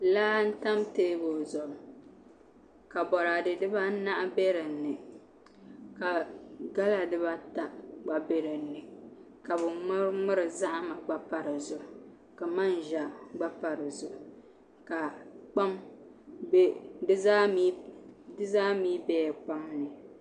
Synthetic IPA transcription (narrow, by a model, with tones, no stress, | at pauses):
laː˦n̩˦ta˦mteː˦bo˨zɔ˨ | ka˨bɔ˨ɾa˨dɨ˨dɨ˦ba˦na˦ʔa˦bɛ˦ɾɨ˨˦nːɨ˨ | ka˨ɡa˦la˨dɨ˦ba˦ta˨ɡ͡ba˨be˦ɾɨ˨˦nːɨ˨ | ka˨bʊ˨ŋʊ˦ɾŋʊ˦ɾɨ˨za˦ʔma˨ɡ͡ba˦pa˨ɾɨ˨zʊ˨ | ka˨ma˦nʒa˨ɡ͡ba˦pa˨ɾɨ˨zʊ˨ʔ | ka˨k͡pa˦m˦ | dɨ˦a˦i˦dɨ˦zaː˦miː˦bɛː˦˨k͡pa˦mnɨ˨